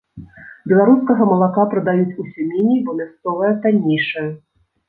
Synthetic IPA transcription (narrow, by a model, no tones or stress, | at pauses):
bʲɛlˠaɾuskɐɣɐmɐlˠakapɾɐd̪ajut͡sʲusʲumʲenʲijbɔmʲast̪sɔvɐjɛt̪anʲːijʂɐjɐ